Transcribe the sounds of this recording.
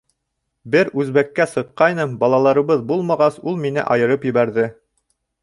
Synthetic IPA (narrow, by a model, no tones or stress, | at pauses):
bɘɾʉzβækːæsɤ̆qːɑjnɤmbɑlˠɑlˠɑɾɤ̆βɤðbulˠmɑʁɑsulˠminɘ̰ʔɑjɤ̆ɾɤpjɘ̆βæɾðɘ